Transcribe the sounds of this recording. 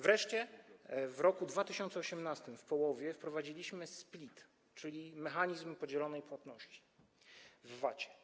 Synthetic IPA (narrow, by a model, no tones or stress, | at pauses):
vɾɛʂt͡ɕɛ | vɾɔkud̪vat̪ɘɕɔnt̪sɛɔɕɛmnast̪ɘmfpɔwɔvʲjɛfpɾɔvad͡ʑilʲiɕmɘsplʲit̪ | t͡ʂɘlʲimɛxaɲizmpɔd͡ʑɛlɔnɛjpwat̪nɔɕt͡ɕi̥ | vːat͡ɕɛ̥